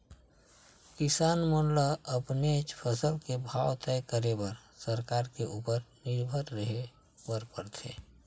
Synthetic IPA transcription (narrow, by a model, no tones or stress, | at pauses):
kɪsaːnmonləəpnet͡ʃpʰəsəlkebʱawt̪ɛkəɾebəɾsəɾkaːɾkeʔuːpəɾnɪɾbʱəɾɾəɦe | bəɾpəɾt̪ʰḛː